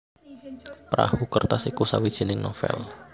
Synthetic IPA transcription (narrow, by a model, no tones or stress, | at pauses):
pɾa̰hukərt̪asikusawid̥ʒ̥i̤nɪŋnɔfɛ̰l